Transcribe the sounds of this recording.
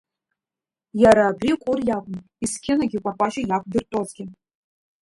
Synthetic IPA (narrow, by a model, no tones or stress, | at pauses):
jaɾaːbrʲikʷʼʊrjakʷʼʊn | iskʲʰɪnaɡʲɪkʷʼapʷʼaʃajakʷʰʼdɨrtʼozɡʲɪ